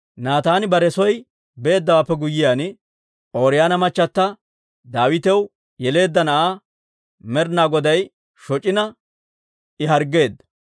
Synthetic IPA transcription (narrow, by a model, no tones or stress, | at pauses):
naːt̪aːnɪbɐɾɛsɔj | be̞ːd̪ːɐwaːpːɛɡʊjːɪjaːn | ʔoːɾɪjaːnɐmɐt͡ʃːɐt̪ːɐ | d̪aːwɪt̪ɛw | jɛle̞ːd̪ːɐnɐʔaː | mɛɾnaːɡɔd̪ɐj | ʃɔt͡ʃʼɪnɐ | ɪɦɐɾɡe̞ːd̪ːɐ